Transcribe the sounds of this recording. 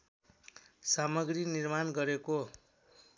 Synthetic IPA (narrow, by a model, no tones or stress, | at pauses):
samʌɡrinirmanɡʌɾeko